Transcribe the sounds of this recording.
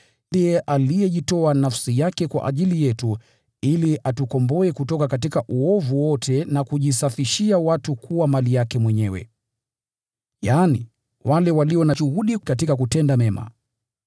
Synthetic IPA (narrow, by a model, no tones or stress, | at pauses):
niɛʔalijɛʄitɔanafsijakɛkwa̰ʔa̰ʄilijɛtu | iliʔatukɔmbɔɛkutɔkakatikaʔuɔvuwɔtʰɛnakuʄisafiʃiawatukʰuwamalijakɛmwɛɲɛwɛ̰ | jaːni | walɛwaliɔnaʃuhuɗikat̬ikak̬utɛndamɛma̰